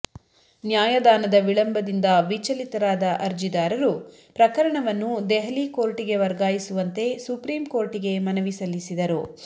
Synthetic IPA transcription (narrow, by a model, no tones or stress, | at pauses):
njaːjɐd̪aːnɐd̪ɐʋiɭɐmbɐd̪ind̪ɐʋit͡ʃɐlit̪ɐɾaːd̪ɐʔɐɾd͡ʒid̪aːɾɐɾu | pɾɐkɐɾɐɳɐʋɐnːud̪ɛɦɐliko̞ːɾʈiɡe̞ʋɐɾɡaːjisuʋɐnt̪e̞supɾiːmko̞ːɾʈiɡe̞mɐnɐʋisɐlːisid̪ɐɾu